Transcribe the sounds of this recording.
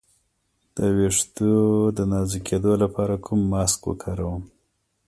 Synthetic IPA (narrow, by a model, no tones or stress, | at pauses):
d̪̥əweʂt̪ud̪ənɑzikʰed̪olapɑɾakʰumːɑskwə̰kʰɑɾawəm